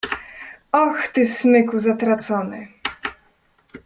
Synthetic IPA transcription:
ɔxt̪ɘsmɘkuzat̪ɾat̪sɔnɘ̰

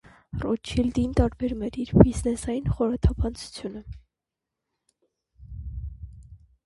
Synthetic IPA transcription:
rɔt͡ʃʰild̪int̪ɑɾbɛɾumɛɾiɾbiznɛsɑjinχɔɾɑt̪ʰɑpʰɑnt͡sʰu̥t͡sʰjunə

